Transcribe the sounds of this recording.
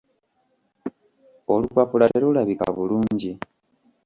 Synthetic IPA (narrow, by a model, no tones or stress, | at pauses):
olukwapulateɾulaβika̰βuluːɲɟi